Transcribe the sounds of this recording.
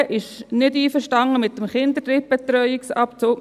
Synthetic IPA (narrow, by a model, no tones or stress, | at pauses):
ʔɪʃnɪdiːfəɾʃtɑŋːəmɪt̪ːəmχɪnd̪ətɾɪp̚b̥ɛt̪ɾœʏiksɑpt͡soːk